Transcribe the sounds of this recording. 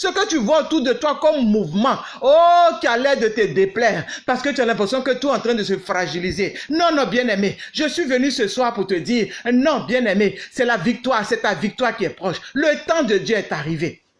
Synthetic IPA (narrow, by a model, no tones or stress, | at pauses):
səkət̪yvwaot̪uʁd̪ət̪wakɔmːuvmɑ̃ | okʲialɛd̪ət̪ɛd̪eplɛːʁpaʁsə̥kət̪yalɛ̃pʁɛsjɔ̃kət̪uɛɑ̃t̪ʁɛ̃d̪əsəfʁaʒilizenɔ̃nɔ̃bjɛ̃nɛmeʒəsɥivənysəswaʁpuʁt̪əd̪iːʁnɔ̃bjɛ̃nɛmesɛlavik̚t̪waʁsɛt̪avik̚t̪waʁkiɛpχɔʃlət̪ɑ̃d̪əd̪jøɛt̪aʁive